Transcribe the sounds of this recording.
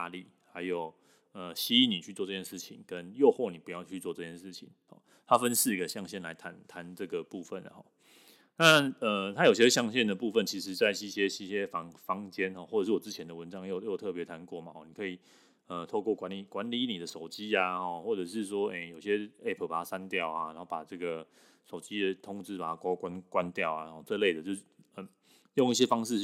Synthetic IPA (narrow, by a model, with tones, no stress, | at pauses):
a˧li˨˩ | ha˧˥ɪjo˨˩ʊ | ə˨ɕi˥i˥˩ni˨˩t͡ɕʰy˥˧t͡swɔ˥˧ʈ͡ʂɤ˥˩t͡ɕjɛ˥nʂɻ̩˥˩t͡ɕʰḭ˨˦ŋkə˦njo˥˧ʊxwɔ˥˩ni˨˩pu˧˦jɑ˥˧ʊt͡ɕʰy˥˧t͡sɔ˥˧ʈ͡ʂɤ˥˧t͡ɕʰjɛ˥˧nʂɻ̩˥˩t͡ɕʰḭ˨˩˦ŋxɔ̰˨˩ | t̪ʰa˥˦fə˦nsɹ̩˥˩ɡə˩ɕjɑ˥˧ŋɕjɛ˥˩nla̰˧˥ɪt̪ʰa˧˦nt̪ʰa˧˦nʈ͡ʂɤ˥˩ɡə˩pu˥˧fə̰˨na̰˨˩xɔ˥˩ | na˥˨ə˩t̪ʰa˦˥jo˨˩ʊɕi˦˥˧ɕjɑ˥˧ŋɕ̬jɛ˥˩nd̪ə˩pu˥˧fə˥˩nt͡ɕʰi˧˥ʂɻ̩˧˥t͡sa˥˧ɪi˥˧˩ɕjɛ˦˥i˥˩ɕjɛ˦fɑ˧˦ŋfɑ˥ŋt͡ɕjɛ˥nxɔ˥˧˩wɔ˥˩ʈ͡ʂʂɻ̩˥˩wɔ˨˩t͡sɻ̩˦˥t͡ɕʰjɛ˧˦nd̪ə˨wə˧˦nʈ͡ʂɑ˥ŋjo˥˩ʊjo˥˩ʊt̪ʰɤ˥˩pjɛ˧˥t̪ʰa˧˦nkwɔ˥˩ma˨˩xɔ˥˩ni˨˩kʰɤ˧˥i˨˩ | ə˨t̪ʰo˥˧ʊkwɔ˥˩kwa˧˦nli˨˩kwa˦nli˥˦ni˨˩d̪ə˩ʂo˨˩ʊt͡ɕi˦a˨˧xɔ˥˩xwɔ˥˩ʈ͡ʂɤ˨˩ʂɻ̩˥˩˧s̬wɔ˥e˥˩ɪjo˨˩ʊɕjɛ˦˥e˥˩pʰə˨˩pa˨˩t̪ʰa˦˥sa˦nt̪jɑ˥˨ʊa˩na˧˦˥o˥˩pa˨˩ʈ͡ʂɤ˥˩ɡə˩ | ʂo˨˩ʊt͡ɕi˦˥d̪ə˨t̪ʰʊ˥ŋʈ͡ʂɻ̩˥pa˨˩t̪kwa˥kwa˦nkwa˦nt̪jɑ˥˩ʊa̰˨˩xɔ˥˩t͡se˥˧le˥˩d̪ə˩t͡ɕjo˥˧ʊ˥˩ə˨˩ | jo˥˧ŋi˥˩ɕ̬jɛ˥fɑ˥ŋʂɻ̩˥˧